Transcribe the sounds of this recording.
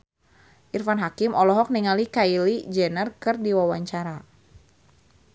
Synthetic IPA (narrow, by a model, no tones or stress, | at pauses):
ʔirfanɦakimɔlɔɦɔk̚niŋalikailid͡ʒɛnərkɨrdiwawaɲt͡ʃaɾa